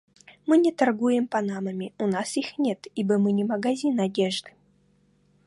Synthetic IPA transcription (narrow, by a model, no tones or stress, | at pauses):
mɨnʲɪt̪ɐrɡujɪmpɐnaməmʲɪʊnasixnʲet̪ibəmɨnʲɪmɐɡɐzʲinɐdʲeʐd̪ɨ̥